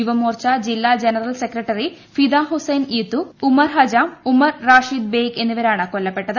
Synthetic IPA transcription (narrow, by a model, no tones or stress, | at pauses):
uʋɐmoːɾt͡ʃad͡ʒilːaːd͡ʒenɐɾɐlsekɾɐʈɐɾi | fʰid̪aːɦusɐjnit̪ːuːmɐɾɦɐd͡ʒaːmumɐɾːaːʃiːd̪̚beːɡenːuʋɐɾaːɳɐkɔlːɐpːɛʈːɐd̪